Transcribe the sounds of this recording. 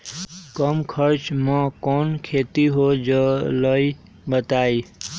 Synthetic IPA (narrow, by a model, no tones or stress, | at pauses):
kəmkʰəɾt͡ʃmãːkɔnkʰet̪iɦod͡ʒələi | bət̪aːi